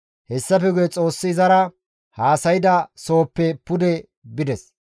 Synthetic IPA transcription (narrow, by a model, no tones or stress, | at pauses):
hɛsːɐfɛɡʊjɛt͡sʼo̞ːsːɪːzɐɾɐ | haːsɐjɪd̪ɐso̞ːpːɛpʊd̪ɛ | bɪd̪ɛs